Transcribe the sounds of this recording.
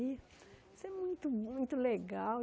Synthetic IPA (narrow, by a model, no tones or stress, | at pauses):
i | sɛmũnt̪umũj̃t̪uleɡa